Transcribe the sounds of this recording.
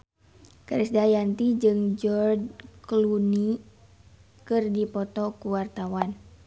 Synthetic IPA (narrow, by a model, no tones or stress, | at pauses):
kaɾisdajant̪id͡ʒɨŋd͡ʒɔrdkluni | kɨrdipɔt̪ɔkuwart̪awan